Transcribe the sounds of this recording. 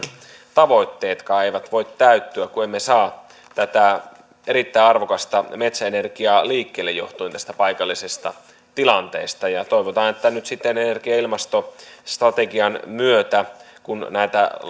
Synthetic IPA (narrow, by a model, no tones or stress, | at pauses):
t̪ɑʋo̞it̪ːeːt̪kɑːeiʋæt̪ʋoit̪t̪æyt̪ːyækuemːesɑː | t̪æt̪æ | eɾit̪ːæːɑrʋokɑst̪ɑmet̪sæenerɡiɑliːkːeːlːejo̰ht̪uint̪æst̪æpɑikɑlːisest̪ɑ̰ | t̪ilɑnt̪ḛːst̪ɑjɑt̪oiʋot̪ɑːnet̪ːænyt̪sit̪ːenenerɡ̥iɑilmɑst̪ost̪rɑt̪eɡiɑnmyøt̪ækunnæit̪æ̰